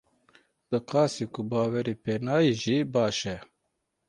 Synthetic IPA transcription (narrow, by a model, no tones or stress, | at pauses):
d̪̥ɨqɑːsikʊbɑːwɛɾiːpeːnɑːjiʒiːbɑːʃɛ